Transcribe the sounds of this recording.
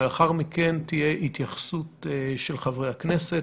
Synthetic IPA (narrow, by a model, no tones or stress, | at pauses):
eaχaʁmikent̪ije̞ʔit̪jaχsuteʃelχavʁejhakneset